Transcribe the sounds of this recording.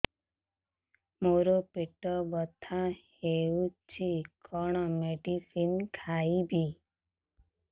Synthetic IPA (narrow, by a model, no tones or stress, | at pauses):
moɾopiʈːəbət̪ʰãheut͡ɕikʰɔɳ̃ɔmeɖifinkʰaibʱi